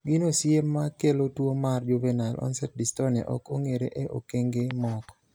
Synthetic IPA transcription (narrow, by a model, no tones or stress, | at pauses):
ɡinosjemːakelotwomard͡ʒuvenalʔɔ̰nsɛt̚distɔna̰ʔɔ̰koŋeɾḛʔeʔo̰keŋɡemɔk